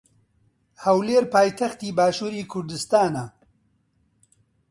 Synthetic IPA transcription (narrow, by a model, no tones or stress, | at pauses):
hɐwleːɾpʰaːjt̪ʰɐxt̪iːbaːʃuːɾiːkʰʊɾd̪ɨst̪aːna